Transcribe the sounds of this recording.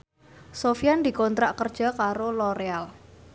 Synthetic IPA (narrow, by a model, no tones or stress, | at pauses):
sofiand̪i̤kɔnt̪ɾaʔkərd̥ʒ̥a̤kaɾoloɾeal